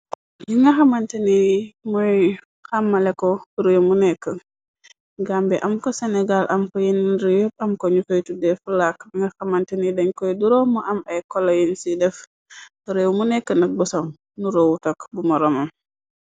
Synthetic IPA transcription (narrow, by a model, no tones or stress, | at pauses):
jiŋɡaxamantenimɔj | xamːalɛkɔkəɾewmunɛkːə | ɡambɛʔamkɔsɛnɛɡalʔɐmkɔjinɾijɔp̚ɐmkɔɲufojtudɛfulak̚iŋɡɐxamantenidɐɲkɔjduɾɔmɔʔamɐjkɔlojinsidɛf | kəɾewmunɛkːənɐk̚bɔsɔm | nuɾowutɐkbumɔɾɔmɐm